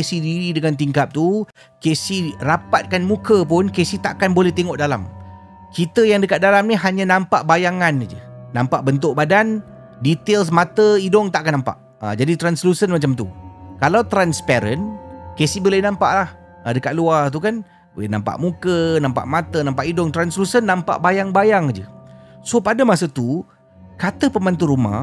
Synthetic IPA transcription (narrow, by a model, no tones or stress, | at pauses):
kesihdiɾidəŋant̪iŋkap̚t̪u | kesihrapat̪̚kanmũkəp̬ʊnkesiht̪aʔkanbolɛht̪eŋɔʔdala̰m | kit̪əjaŋdəkat̪̚dalamniɦaɲãnãmpaʔbajaŋanid͡ʒə̰nampaʔbənt̪̬ʊʔ̚badan | dit̪els̬mat̪əidɔŋt̪aʔkanampa̰ʔ | ə̰d͡ʒadit̪ɾanslusənmat͡ʃamt̪ukalawt̪ɾanspɛɾənkesibolɛhnãmpa̰ʔlah | ədəkat̪̚luart̪̬ukan | bolena̰mpa̰ʔmukənãmpa̰ʔmat̪ənãmpaʔidʊŋt̪ɾanslusənːãmpa̰ʔbajaŋbajaŋd͡ʒəsopadəmasət̪u | kat̪əpəmant̪̬uɾuma̰